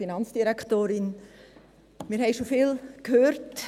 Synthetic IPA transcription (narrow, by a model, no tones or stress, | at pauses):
inɑnt͡sd̥iɾɛkʰtoːɾɪn | mɪːɾɦɛɪʃofɪːlkhøːɾt